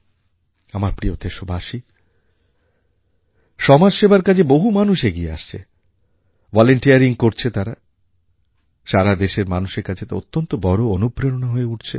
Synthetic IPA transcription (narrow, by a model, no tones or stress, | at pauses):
amaɾpɾiot̪ʰeʃobʱaʃi | ʃɔmad͡ʑʃebaɾkad͡ʑʰeboɦumanuʃeɡiea̰ʃt͡ɕʰḛ | vɔleɳʈiaɾiŋkoɾt͡ɕʰet̪aɾa | ʃaɾad̪eʃeɾmanuʃeɾkat͡ɕʰet̪a̰o̰t̪ːont̪obɔɾoonupɾenonaɦoeuʈt͡ɕʰe